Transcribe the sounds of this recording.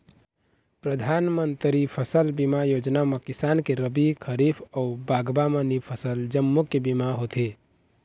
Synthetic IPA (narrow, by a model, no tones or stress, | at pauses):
pɾəd̪ʱanmənt̪ɾipʰəsəlbimajod͡ʒnamekisankeɾəbikʰəɾipʰɔubaɡbamənipʰəsəld͡ʒəmːukebimaɦot̪ʰe